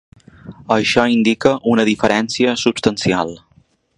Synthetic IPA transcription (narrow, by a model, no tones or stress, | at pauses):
əʃɔind̪ikəʔunəðifəɾɛnsiəsupst̪ənsialˠ